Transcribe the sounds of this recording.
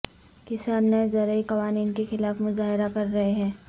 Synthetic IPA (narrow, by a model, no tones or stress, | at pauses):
kɪsaːnnəzɐɾəikɐʋaːniːnkexɪlaːfmʊzaːɦɪɾakɐɾːɐɦeɦɛ̃ː